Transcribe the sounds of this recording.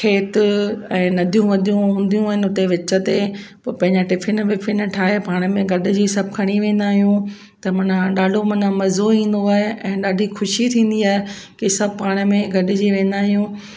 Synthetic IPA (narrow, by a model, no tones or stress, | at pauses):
ʈʰeːt̪ʊɛ̃ːnɐd̪ʱijũʋɐd̪ʱijũɦũːn̆d̪ijũaːɦɪnɪ̆ʊt̪eʋɪt͡ɕə̆t̪epɐpɐ̃ɦɪ̃ɲd͡ʑaʈɪfʰɪnʋɪfʰɪnʈʰaːɦepaːɽ̃mẽɡʱɐɗɪ̆d͡ʑisɐb̚kʰɐɽ̃iʋẽːn̆d̪aːɦijũ | t̪ɐmɐnãɗaːɖʱomɐnamɐzoĩːn̆d̪oaːɦeʔɛ̃ːɗaːɖʱixʰʊʃit̪ʰĩːn̆d̪iaːɦekɪsɐb̚paːɽ̃əmẽɡʱɐɗɪd͡ʑiʋẽːnd̪aːɦijũː